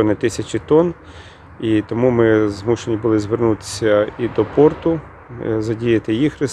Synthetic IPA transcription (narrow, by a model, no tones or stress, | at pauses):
ɔnɪt̪ɪsʲɐt͡ʃʲit̪ɔn | it̪ɔmumɪzmuʃenʲibʊlˠɪzʋernut̪ɪ̥sʲɐid̪ɔpɔrt̪ʊ | zɐdʲijɐt̪ɪjixrɪs